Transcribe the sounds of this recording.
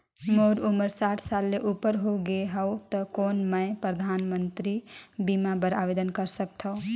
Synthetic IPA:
moɾuməɾsaʈʰsalːeʔupəɾɦoɡeɦəwt̪əkonməjpɾəd̪ʱanmənt̪ɾibimabəɾaʋed̪ənkəɾsəkt̪ʰəʊ

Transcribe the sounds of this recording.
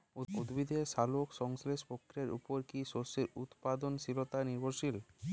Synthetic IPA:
ud̪bid̪ʱeʃalokʃɔŋsleʃpokʰːɾeɾṵpoɾkiʃoselṵt̪pad̪onʃilot̪aniɾboɾʃil

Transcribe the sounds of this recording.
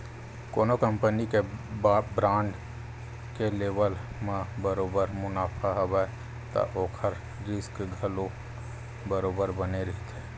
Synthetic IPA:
koːnokəmpənike | bɾãːɳɖ | keleːbəlmãbəɾoːbəɾmʊnaːpʰaɦəbɛ | t̪ə̰ʔoːkʰəɾ | ɾɪskɡʱəlo | bəɾoːbəɾbəneɾəɦit̪eː

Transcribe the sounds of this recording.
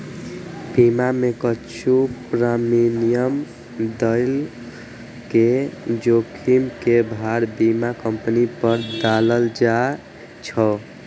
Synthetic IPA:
bimamekət͡ʃʰupɾaminijəm | d̪əɪl | ked͡ʒokʰimkebʱaɾbimakəmpənipəɾd̪aləld͡ʒa | t͡ʃʰə

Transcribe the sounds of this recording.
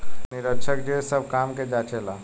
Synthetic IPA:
niɾəkt͡ʃʰəkd͡ʒesəb̚kamked͡ʒat͡ʃela

